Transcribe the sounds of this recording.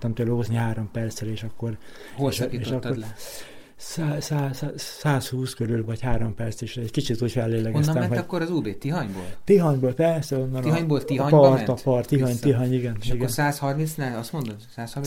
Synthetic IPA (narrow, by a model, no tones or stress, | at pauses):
t̪ːɒmt̪øːloːzniɦaːɾo̞mpɛrt̪sɾeːʃɒkːo̞r | olʃieːʃɒkːo | saːsaːsaːshuːskøɾylvɒɟhaːɾo̞mpɛrseʃɛckit͡ʃit̪uːɟfɛlːeːlɛɡonsmɛɛnɦɒkːoɾɒzuːbeːt̪iɦɒɲbo̰ːlt̪iɦɒɲboːlpɛrsɛonːɒnɒɲbolt̪iɔɲpɒrt̪ɒpɒrt̪ːiɦɒɲt̪iɦɒɲiɡɛnʃiɡɛorsaːshɒrminsnɛɒst̪mond̪omsaːshɔrm